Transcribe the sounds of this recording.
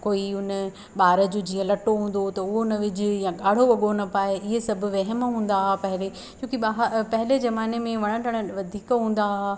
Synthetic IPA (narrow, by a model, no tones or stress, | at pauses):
koːiʊnə | ɓaːɾə̆d͡ʑoːd͡ʑiːə̃lɐʈoɦũːn̆d̪ot̪ɐʊɦonəʋɪd͡ʑʊjãɠaːɽ̤oʋɐɠonɐpaːeʔɪɦesɐbʱʊ̆ʋɐɦəmɦũːn̆d̪aːɦapɐɦɪle | t͡ɕõːkiɓaɦpɐɦɪlezɐmaːnemẽʋɐɽ̃ə̃ʈʰəɽ̃̆ʋɐd̪ʱiːkɦũːn̆d̪aɦa